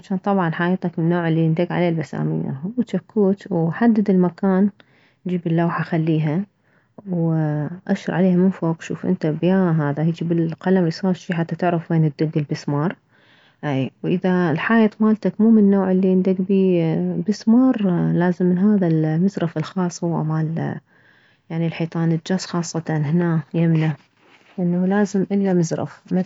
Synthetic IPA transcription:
ʕat͡ʃaːnt̪ˤɑbʕɑnħaːjt̪ˤɑkmɪnːoːʕɪlːiɪnd̪aɡʕa̰leːlbasa̰ːmɪ̰jːa̰wt̪akʰːuːt̪wħad̪ːɪd̪ɪlmakaːn | nd͡ʒiːbɪlːawħaxalːiːɦa | wʔaʃɾˤʕaleːhamɪnfoːqʃṵːfʔɪ̰nt̪abjaːɦaːðahiːd͡ʒibɪlqɑlamɾisˤɑːɾʃiːħat̪ːat̪ɪʕɾɪfweːnɪd̪ːɪɡ̪ɪlbɪsmɑːɾˤ | ʔawʔɪðalħaːjaːt̪maːlt̪akmuːmɪnːoːʕɪlːiʔɪnd̪akbiːbɪsmɑːɾˤlaːzɪmːɪnɦaːðalmɪzɾˤɑfɪlxɑːsˤhuwʔa̰maːl | jaʕnilħiːt̪ˤɑːnɪd͡ʒasˤxɑːsˤːɑt̪ɑnhɪnaːjamna | ʔɪnːalaːzɪmʔɪlːamɪzɾˤɑ̰fma

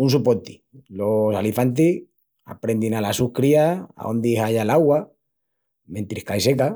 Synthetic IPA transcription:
unsupot̪i̥ | losalifant̪̬i | a̰pɾe̞nd̪inalasukɾiaa̰o̰nd̪iɦaʝalaɣwa | mẽ̞nt̪ɾihkaiseka

